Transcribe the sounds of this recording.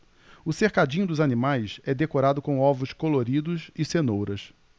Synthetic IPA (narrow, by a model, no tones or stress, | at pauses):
ʊseɾkad͡ʒĩɲʊd̪ʊzanimajsɛd̪ekoɾad̪ʊkõw̃ɔvʊskoloɾid̪ʊzɪsenowɾɐs